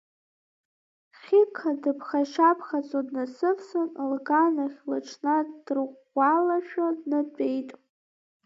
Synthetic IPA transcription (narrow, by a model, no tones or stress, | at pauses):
χʲɪkʰadɨpʰχaʃapʰχat͡sʼodnasɨpʰsɨnlɡanaχʲlaʈ͡ʂʰnadrʁʷalaʃᶣadnɨt͡pʼe̞jtʼ